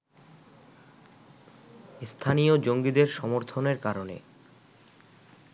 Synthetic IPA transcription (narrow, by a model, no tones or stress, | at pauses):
st̪ʰanijod͡ʑoŋɡid̪eɾʃɔmoɾt̪ʰoneɾkaɾonḛ